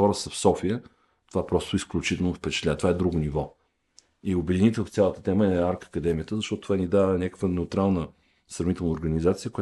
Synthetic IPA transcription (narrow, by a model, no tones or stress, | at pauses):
ɔɾəsəfsɔfiə | t̪ovapɾɔst̪ʊisklʲut͡ʃit̪ɛlˠnʊfpɛt͡ʃɛ̥t̪lʲɛət̪ovaɛd̪ɾuɡʊnivɔ | iobɛd̪init̪ɛvft̪sʲalˠət̪ət̪ɛməɛaɾkɐkɐd̪ɛmʲijət̪əzəʃt̪ɔt̪oʊt̪ːvanid̪aənʲakə̥kvənɛʊt̪ɾalˠnə | sɾɐvnit̪ɛlˠnəoɾɡənizat̪sijəkʊa